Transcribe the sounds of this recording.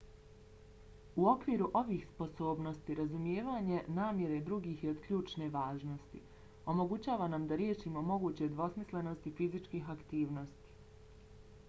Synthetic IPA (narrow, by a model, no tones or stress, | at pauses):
uo̞kʋiːɾuʔo̞ʋiːxspo̞so̞ːbno̞st̪iɾazumjeːʋaːɲe̞naːmje̞ɾe̞d̪ɾuɡiːxjeod̪kʎʲuːt͡ʃne̞ʋaːʒno̞st̪ḭ | o̞mo̞ɡut͡ɕaːʋanamd̪aɾje̞ʃiːmo̞mo̞ɡuːt͡ɕe̞d̪ʋo̞smisle̞no̞st̪ifizit͡ʃkiːɦakt̪iːʋno̞st̪i̥